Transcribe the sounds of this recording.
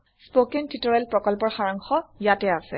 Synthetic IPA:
spokentitɔɹalpɹɔkɔlpɔɹxaɹaŋxɔjatɛasɛ

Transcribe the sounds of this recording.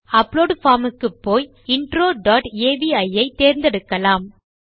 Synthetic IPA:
ɐpːloːɖfaːɾmɯkːɯpːoːj | ɪɳɖɾoːɖaːʈeːbiɐjɐɪt̪eːɾnd̪ɛɽɯkːɐlaːm

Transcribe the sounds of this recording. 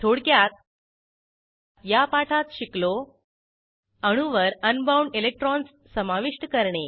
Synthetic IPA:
t̪ʰoɽkjat̪̚ | japaʈʰat̪ɕiklo | əɽ̃uʋəɾənbawɳɖelek̚ʈɾɔns | səmaʋiʂʈəkəɾɳe

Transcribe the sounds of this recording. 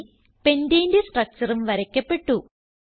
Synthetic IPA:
pe̞ndeːndesʈrɐk̚t͡ɕɐrumʋɐɾɐkʲːɐpːe̞ʈːu

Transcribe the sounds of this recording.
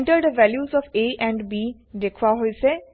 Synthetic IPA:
ɳʈəɾd̪əʋɛːljuːzɔːfeːʔɛ̃ːɳɖbiː | d̪ekʰʋaɦoːiseː

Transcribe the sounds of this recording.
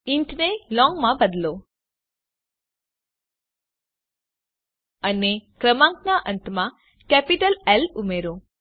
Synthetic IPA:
iɳʈnelɔ̃ŋɡmãbəd̪lo | ənekɾəmãŋknãʔənt̪mã | kɛpiʈəlɛlumeɾo

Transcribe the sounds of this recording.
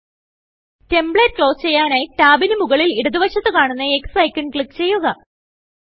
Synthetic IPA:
te̞mbɭeːt̚kɭo̞ːst͡ɕe̞jːaːnetaːbinumuɣɐɭiliɽɐðuʋɐɕɐt̪ːɨkaːɳunːɐeksɐjkːiɳkɭikːt͡ɕe̞jːuɣɐ

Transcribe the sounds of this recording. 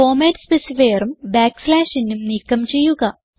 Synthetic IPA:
oːmeːʈspesifeːɐɾumbaːkslaːʂinːumniːkːɐmt͡ɕe̞jːuɣɐ

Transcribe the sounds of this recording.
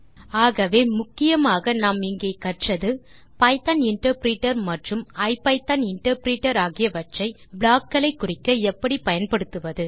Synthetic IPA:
aːɣɐʋeːmʊkːɪjɐmaːɣɐnaːmɪŋɡeːkɐʈrɐðɯ | pɐɪt̪ɐnɪɳʈɐɾpɾiːʈːɐɾmɐʈrɯmɐɪpɐɪt̪ɐnɪɳʈɐɾpɾiːʈːɐɾaːɣɪjɐʋɐʈrɐɪbɭaːkːɐlɐɪkːʊrɪkːɐɛpːɐɽipɐjɐnpɐɽɯt̪ːɯʋɐðɯ

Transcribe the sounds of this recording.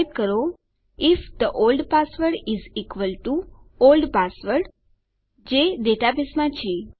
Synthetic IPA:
d̚kəɾo | ɪfd̪əʔolɖpasʋəɾɖizikʋəlʈu | olɖpasʋəɾɖ | d͡ʒeɖeʈapismãt͡ʃʰe

